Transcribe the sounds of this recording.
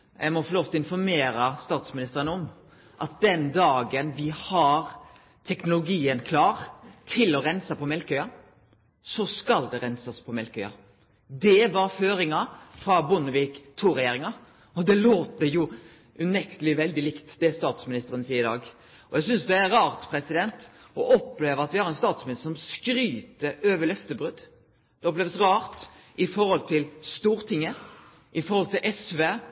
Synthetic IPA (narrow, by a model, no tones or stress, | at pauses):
jæɡmɔfɔɾloːft̪ʰɔɪnfɔɾmeːɾɑst̪ɑːt̪smɪnɪst̪əɾənəɔm | ʔɑt̪̚d̪ɛnd̪ɑːɡənʋɪhɑɾ | t̪ʰɛknʊlʊɡiːənkʰlɑːɾt̪ʰɪlɔɾɛnsɑpɔmɛlkœʏɑ | sɔskɑld̪ɛɾɛnsɑspʰɔmɛlkœʏɑ̰ | d̪ɛʋɑɾføːɾɪŋɑfɾɑbʊnəʋiːkt̪ʰuːɾɛjeːɾɪŋɑ | ɔd̪ɛloːt̪əjʊ | ʉnɛkt̪əlɪʋɛld̪ɪlɪkt̪d̪̥ɛæst̪ɑːt̪smɪnɪst̪əɾənsiːəɪd̪ɑ̰ːɡ | ʔɔjɛɡsʏnsd̪ɛæɾɑːʁt̪pʰɾɛsɪd̪ɛnt̪ | ɔʔɔpːleːʋəɑt̪ʋɪhɑɾɛnst̪ɑːt̪smɪnɪst̪sɔmskɾyːt̪əøːʋəlœft̪əbʁʉd̪ | d̪̥ɛɔpleːʋəsɾɑːɾt̪ | ɪfɔɾhɔlt̪ʰɪlst̪uːɾt̪ʰɪŋːə | ʔɪfɔɾhɔlt̪ɪlʔɛsʋeː